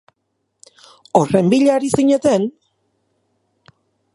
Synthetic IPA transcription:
ore̞mbiʎaɾisiɲe̞t̪e̞n

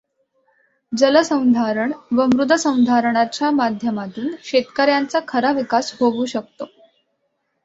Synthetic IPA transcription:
d͡zələsə̃w̃d̪ʱaɾəɳʋəmɾud̪ʱəsə̃w̃d̪ʱaɾəɳ̃at͡ɕjamad̪ʱjəmat̪uːnɕet̪kəɾjant͡sakʰəɾaʋikasɦoʋuːɕək̚t̪o

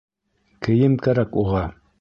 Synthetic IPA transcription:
kɘ̆jɘmkæɾækuʁɑ

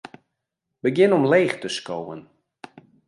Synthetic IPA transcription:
bəɡjɪnɔmleːχtəskowə̰n

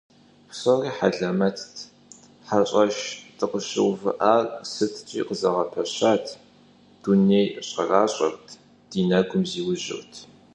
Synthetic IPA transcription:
sʼoriːħaɮɐmɐtʰtʰ | ħaɕʼɐʃtʰɨqəɕɪ̰wvɨ̰ʔaːrsɨtʰt͡ʃʼḭːqəzɐʁɐpʰɐɕaːtʰ | d̥uneːjɕʼɐ̰raːɕʼɐ̰rtʰ | d̥iːnɐɡʷʊmziːwʊʒɪ̰rtʰ

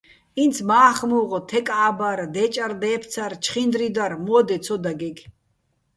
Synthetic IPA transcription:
int͡sʰmaːχmuːʁɔt̪ʰɛkʼaːbaɾd̪ɛt͡ʃʼaɾd̪ɛːp̪ʰt͡sʰaɾt͡ʃʰχind̪ɾid̪aɾmɔːd̪ɛt͡sʰɔd̪aɡɛɡ

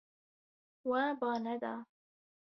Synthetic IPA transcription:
waːbɑːnɐd̪a̰ː

